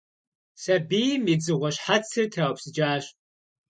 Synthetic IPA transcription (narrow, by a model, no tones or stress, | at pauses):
sɐbiːmid͡zɨʁʷɔɕħat͡sʰɨrtʰawpsɨd͡ʒaːɕ